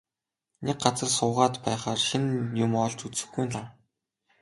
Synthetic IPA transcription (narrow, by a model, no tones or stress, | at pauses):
nek̚ɢat͡sə̆rsʊːʁaːt̪pæːχaːrʃinjʊmɔɮt͡ɕut͡sɘ̆xɡujnɮaw